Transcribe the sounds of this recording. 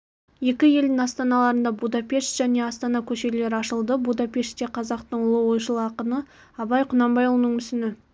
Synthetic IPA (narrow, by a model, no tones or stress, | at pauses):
je̞kʲɪje̞ld̪ɪŋɑst̪ɑnɑlˠɑɾənd̪ɑbud̪ɑpʲe̞ʃt̪ʒ̥æne̞ɑst̪ɑnɑkʲʰɵʃe̞le̞ɾɪɑʃəlˠd̪əbud̪ɑpʲe̞ʃt̪t̪e̞qʰɑzɑqt̪əɴʊlˠəwo̞jʃəlˠɑqənə | ɑbɑjqʰʊnɑmbɑjʊlˠnəɴʏsɪnɪ